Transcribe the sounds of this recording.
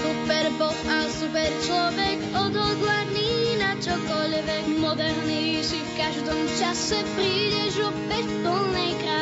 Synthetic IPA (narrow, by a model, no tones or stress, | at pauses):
supɛɾbɔxasupɛɾt͡ʃlɔvɛkɔd̪ɔɡ̪laɾninat͡ʃɔkɔʎvɛmɔd̪ɛɾnisifkaʒd̪ɔmt͡ʃasɛpɾiʎɛʒɔbɛvd̪ɔlnɛjkɾa